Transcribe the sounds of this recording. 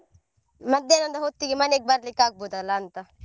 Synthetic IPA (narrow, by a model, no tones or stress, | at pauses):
mɐd̪enɐnd̪aɦot̪ːiɡimɐnek̚baːɾlikaːk̚but̪alaːnt̪a